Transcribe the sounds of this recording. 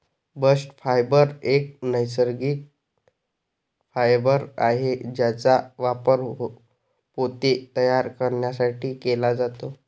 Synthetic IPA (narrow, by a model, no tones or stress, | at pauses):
bəsʈfajbəɾek̚nəjsəɾɡiːk̚ | fajbəɾa̰ɦed͡ʑjat͡saʋapəɾɦo | pot̪et̪əjaɾkəɾɳjasaʈʰiːkelad͡zat̪o